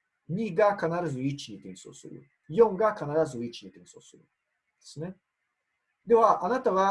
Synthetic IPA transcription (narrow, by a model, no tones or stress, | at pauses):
ɲʲiɡakanaɾazuit͡ʃiɲit̪eniso̰so̰ɾʲṵ | joŋɡakanaɾazuit͡ʃːiɲʲit̪eniso̰soɾʲṵ | d̪esne | d̪ewaʔanat̪aβa